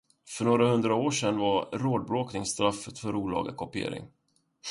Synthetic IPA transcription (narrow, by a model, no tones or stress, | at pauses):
fœɳoːɾahɵnd̪ɾaoːʂɛnːvaɾɾoːd̪̚bɾoːknɪŋst̪ɾafːət̪fœɾuːlɑ̰ːɡa̰kʰɔpɪḛːɾɪ̰ŋ